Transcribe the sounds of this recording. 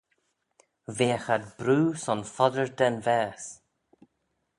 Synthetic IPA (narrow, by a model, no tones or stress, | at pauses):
veːxad̪bɾuːsɔnfɔd̪əɹd̪ɛnvɛːs